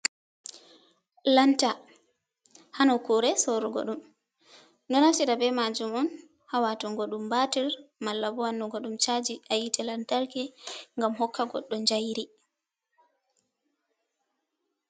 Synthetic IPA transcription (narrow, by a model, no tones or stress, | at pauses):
lanta | hanɔkuɾɛsɔɾuɡɔ̰ɗum | ndɔnasiɾabɛmad͡ʒumɔn | hawatɔŋɡɔɗumbatiɾmalːabɔwanːɔɡɔɗumt͡ʃad͡ʒiajitɛlantaɾkɛŋɡamhɔkʰːaɡɔ̰ɗːɔnd͡ʒajɾi